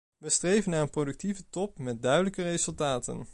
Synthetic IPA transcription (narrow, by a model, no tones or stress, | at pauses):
ʋəstrejvənːaːɹənprodʏk̚tivətɔp̚mɛt̚dœɥdələkərejzɵlˠtaːtə̰n